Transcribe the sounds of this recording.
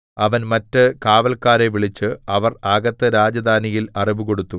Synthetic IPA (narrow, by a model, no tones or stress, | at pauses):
ɐʋɐnmɐtːɨkaːʋɐlkaːɾeʋiɭit͡ɕːɨɐʋɐraːɡɐt̪ːɨɾaːd͡ʑɐd̪ʱaːnijilɐriʋuko̞ɽut̪ːu